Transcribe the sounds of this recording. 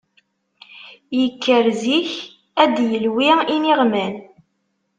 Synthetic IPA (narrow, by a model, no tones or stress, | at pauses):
jəkʰːəɾziç | æd̪jəlwiiniʁmæn